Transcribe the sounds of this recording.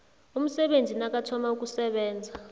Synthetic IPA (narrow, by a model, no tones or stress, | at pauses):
um̩sɛɓend͡zʱinak̬ʼatʰɔmauk̬ʼusɛɓɛːnd͡zʱa